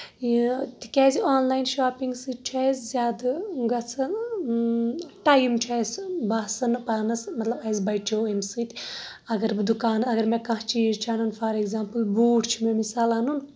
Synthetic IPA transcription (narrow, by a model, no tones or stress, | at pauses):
it̪i̥kʲɛːzioːnlaːjnʃaːpiŋɡsɨt͡ʃʰɛzzʲaːd̪ɨɡɐt͡sʰɨn | ʈajmt͡ʃʰɛjsbɐsɐnpaːnɐsmɐt̪lɐbɐzbɐjt͡ʃʰoːimsɨt̪ʲ | ɐɡɐɾbɨd̪ukaːnɨɐɡɐɾmekɐ̃ɦt͡ʃiːzt͡ʃʰanunfʰɐɾeɡzʲaːmpɨlbuːʈʰt͡ʃʰimemisaːlɐːnun